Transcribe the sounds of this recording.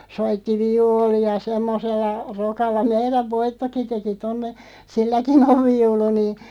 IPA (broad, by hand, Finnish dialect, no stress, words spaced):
soitːi ʋiuːliɑ semːoselːɑ rokɑlːɑ meiræʋ ʋoitːoki teki tonːe silːækin oʋ ʋiulu niː